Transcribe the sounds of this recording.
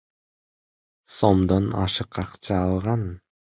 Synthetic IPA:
somd̪onɑ̰ʃɯqɑqt͡ʃɑːlˠʁɑn

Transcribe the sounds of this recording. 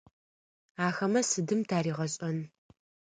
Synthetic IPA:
aːxɐmɐsɨdɨmtʰaːɾiːʁɐɕʼɐn

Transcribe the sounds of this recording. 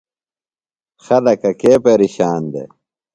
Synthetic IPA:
xɐlɐkɐkeːpeɾiɕaːnd̪ḛ

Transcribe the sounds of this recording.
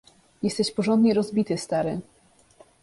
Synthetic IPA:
jɛst̪ɛɕpɔʐɔnd̪ɲɛɾɔzbʲit̪ɘst̪aɾɘ

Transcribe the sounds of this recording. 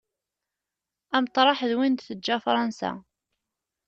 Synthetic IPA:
æmt̪ˤɾˤɑħðwind̪θəd͡ʒːæfɾˤɑnsæ̰

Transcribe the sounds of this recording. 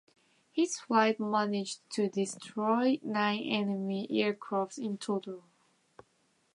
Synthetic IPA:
hɪz̥flaɪt̚mænɪd͡ʒtʰɨdɪstʰɹ̥ɔɪnãɪ̃nʔɛnəmiʔɛɹkʰɹ̥aftsɪ̃ntʰotəl̩ˠ

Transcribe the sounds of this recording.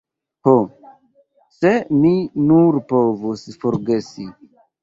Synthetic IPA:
ho | se̞minuɾpovusfoɾɡe̞si

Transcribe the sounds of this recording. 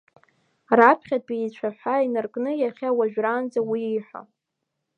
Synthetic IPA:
rapʰχʲad̚beit͡ɕʷʰaħʷainarkʼnɨjaχʲawaʒᶣrand͡zawiiħʷa̰

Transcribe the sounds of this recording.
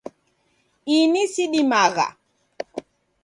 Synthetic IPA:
inisiɗimaɣa̰

